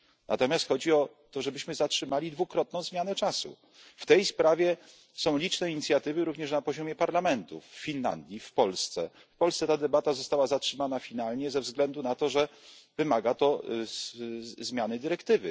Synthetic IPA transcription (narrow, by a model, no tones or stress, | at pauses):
nat̪ɔmʲjast̪xɔd͡ʑiɔ | t̪ɔʐɛbɘɕmɘzatʂɘmalʲid̪vukɾɔt̪̚nɔ̃w̃zmʲjanɛt͡ʂasṵ | ft̪ɛjspɾavʲjɛ | sɔ̃w̃lʲit͡ʂnɛiɲit̪sʲjat̪ɘvɘɾuvɲɛʂnapɔʑɔmʲjɛpaɾlamɛnt̪ufːʲinla̰nd̪ʲjifpɔlst̪sɛ̰ | fpɔlssɛt̪ad̪ɛbat̪azɔst̪awazatʂɘmanafʲinalɲɛzɛvzɡlɛnd̪unat̪ɔʐɛvɘmaɡat̪ɔ | zmʲjanɘd̪ɘɾɛkt̪ɘvɘ